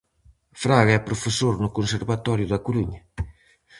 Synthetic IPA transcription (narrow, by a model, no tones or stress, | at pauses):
fɾaɣaɛpɾofesoɾnʊkonseɾβat̪ɔɾjʊðɐkoluɲɐ